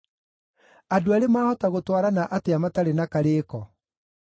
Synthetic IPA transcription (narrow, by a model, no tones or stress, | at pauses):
adoaɾemaːhɔtaɣotwaɾanaʔateamataɾenakaɾeːkɔ